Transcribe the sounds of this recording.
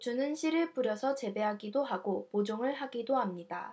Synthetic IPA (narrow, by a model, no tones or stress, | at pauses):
t͡ɕunɯnɕʰiɾɯɭpuɾjʌsʰʌt͡ɕe̞be̞ɦaɡidoɦaɡopod͡ʑoŋɯɭɦaɡidoɦamɲida̰